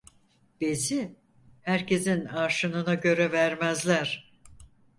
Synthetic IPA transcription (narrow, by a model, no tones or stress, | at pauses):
b̥e̞zi | hæɾcʰe̞zinaːʃɯnɯnaɟø̞ɾɛvæɾmæzlʲæɾ̥